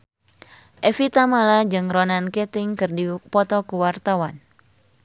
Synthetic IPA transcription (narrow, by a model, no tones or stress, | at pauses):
ʔɛfit̪amalad͡ʒɨŋrɔnankɛt̪ɪŋkɨrdipɔt̪ɔkuwart̪awan